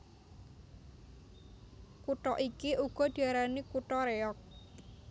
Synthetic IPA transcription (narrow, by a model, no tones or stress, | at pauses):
kuʈɔʔikiʔuɡ̥ɔ̤d̪̥i̤aɾanikuʈɔɾeɔk̚